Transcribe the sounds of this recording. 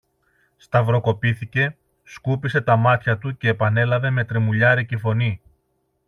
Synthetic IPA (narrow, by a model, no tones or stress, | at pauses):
st̪ɐvɾo̞ko̞piθice̞ | skupise̞t̪ɐmɐt̪çɐt̪uce̞ːpɐne̞lɐve̞me̞t̪ɾe̞muʎɐɾicefo̞ni